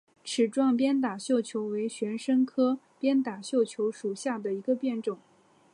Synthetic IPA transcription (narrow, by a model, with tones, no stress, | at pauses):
ʈ͡ʂʰɻ̩˨˩ʈ͡ʂwɑ˥˧ŋpjɛ˥nt̪a˨˩ɕjo˥˩ʊt͡ɕʰjo˧˥ʊwe˧˥ɪɕɥɛ˧˥nʂə˥ŋkʰɤ˥ | pjɛ˥nt̪a˨˩ɕjo˥˩ʊt͡ɕʰjo˧˥ʊʂu˨˩ɕja˥˩d̪ə˩i˧˥ɡə˧pjɛ˥˧nʈ͡ʂʊ˨˩˦ŋ